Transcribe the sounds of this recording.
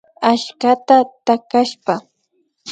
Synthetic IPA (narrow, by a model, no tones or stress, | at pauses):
aʃkat̪at̪akaʃpa